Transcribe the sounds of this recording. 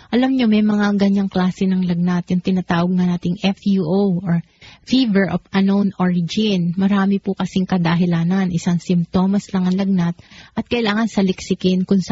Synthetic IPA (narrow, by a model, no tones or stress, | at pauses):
ʔɐlɐmɲo̞mɛjmɐŋaɡɐɲaŋklaːsɛnɐŋlɐɡ̚nat̪̚jʊŋt̪ɪnɐt̪aːwɐɡ̚ŋanaːt̪ɪŋʔɛfjuʔowʔoɹ | fiːvɛɹʔofɐnownʔoɹɪd͡ʒɪnmɐɾaːmɪpʊkɐsɪŋkɐd̪ɐɦɪlaːnɐnʔɪsaŋsɪmpt̪o̞ːmɐslɐŋɐŋlɐɡ̚nat̪̚ʔɐt̪̚kɐʔɪlaːŋɐnsɐlɪksɪkɪnkʊŋs